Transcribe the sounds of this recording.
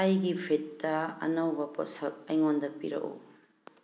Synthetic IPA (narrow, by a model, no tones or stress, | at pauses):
ɐjɡipʰetːɐɐ̰nɐwbɐpɔ̰sɐk̚ɐjŋondɐpḭɾɐ̰ʔo̰